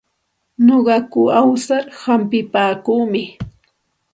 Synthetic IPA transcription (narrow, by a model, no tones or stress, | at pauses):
noɢɑkʊawsaɾhampɪpaːkuːmɪ